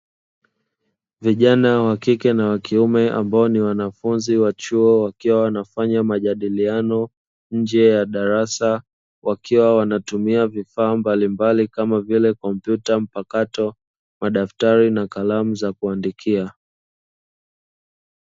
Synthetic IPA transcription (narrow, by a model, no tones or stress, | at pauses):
viʄanawakikɛnawakiumɛʔa̰mbaɔniwanafunziwat͡ʃuɔwakiwawanafaɲamaʄaɗilianɔ | ɲ̩d͡ʒɛjaɗaɾasa | wʔakʰiwawanatumiavifaːmbalimbalikamavilɛkɔm̩pjutam̩pakatɔ | maɗaftaɾinakalamuzakuandikʰia